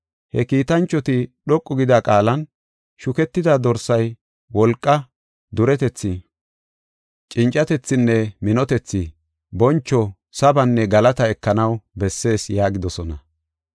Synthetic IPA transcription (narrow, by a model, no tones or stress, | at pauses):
hɛkiːt̪ɐnt͡ʃːɔt̪ɪɗɔkʼːɔɡɪd̪akʼaːlɐn | ʃʊkɛt̪ːɪd̪ɐd̪ɔɾsɐj | wɔlkʼːɐ | d̪ʊɾɛt̪ɛt͡sːɪ | t͡ʃʼɪnt͡ʃʼːɐt̪ɛt͡sːɪnːɛmɪnɔt̪ɛt͡sːɪ | bɔnt͡ʃːɔ | sɐbɐnːɛɡɐlɐt̪ɐɛkːɐnɐwbɛsːe̞ːsjaːɡɪd̪ɔsɔnɐ